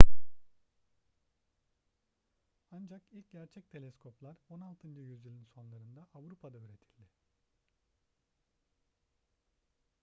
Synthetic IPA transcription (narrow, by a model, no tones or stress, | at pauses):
and͡ʒakilʲc̚ɟæɾt͡ʃʰɛc̚t̪ʰe̞lʲɛskʰo̞plˠaɾo̞nalˠt̪ʰɯnd͡ʒɯjyzilʲˠinso̞nlˠaɾɯnd̪aavɾupʰad̪ayɾe̞t̪ʰilʲd̪ɪ